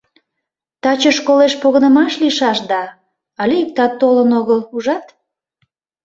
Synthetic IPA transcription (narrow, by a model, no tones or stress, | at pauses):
t̪ɑt͡ɕəʃkoleʃpoɣənəmɑʃliʃɑʃd̪ɑ | ɑlʲeik̚t̪ɑt̪ːolənoɣəluʒɑt̪